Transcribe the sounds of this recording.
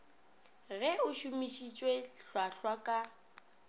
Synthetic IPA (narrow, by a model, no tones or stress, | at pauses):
ɣɛʊʃumiʃit͡ʃʼweɬwaɬwakʼa